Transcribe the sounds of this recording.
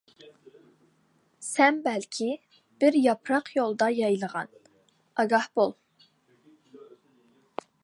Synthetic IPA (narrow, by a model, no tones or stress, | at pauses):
sɛmbɛlkʲʰi | b̥ɪɾjɑpʰɾɑqjolˠd̪ɑjɑjlˠəʁɑ̰n | ɑɡɑhb̥olˠ